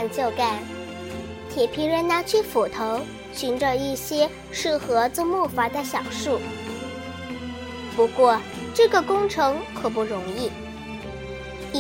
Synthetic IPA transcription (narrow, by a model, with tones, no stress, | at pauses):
nt͡ɕjo˥˧ʊka˥˩ | t̪ʰjɛ˨˩pʰi˧˥ɻə˧˥nna˧˥t͡ɕʰy˥˩fu˨˩t̪ʰo˧˥ʊ | ɕy˧˥nʈ͡ʂɤ˧i˥˩ɕjɛ˥ | ʂɻ̩˥˩xɤ˧˥t͡swmu˥˩fa˧˥d̪ə˧ɕjɑ˨˩ʊʂu˥˩ | pu˧˥kwɔ˥˧ | ʈ͡ʂɤ˥˩ɡə˩kʊ˥ŋʈ͡ʂʰɤ˧˥ŋkʰɤ˨˩p̬u˥˩ɻʊ˧˥ŋi˥˩˧